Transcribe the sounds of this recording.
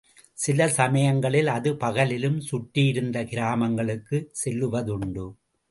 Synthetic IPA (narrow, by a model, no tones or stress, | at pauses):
sɪlɐsɐmɐjɐŋɡɐɭɪlɐðɯpɐɣɐlɪlɯmsʊʈːɪjɪɾɯnd̪ɐkɪɾaːmɐŋɡɐɭɯkːɯsɛlːɯʋɐðʊɳɖɯ